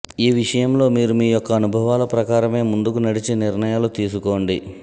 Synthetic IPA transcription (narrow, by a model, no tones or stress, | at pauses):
iːʋiʂɐjɐmlo̞ːmiːɾumiːjɔkːɐːnubʱɐʋaːlɐpɾɐkaːɾɐme̞ːmund̪ukunɐɽit͡ʃiniɾɳɐjaːlut̪iːs̬uko̞ːɳɖi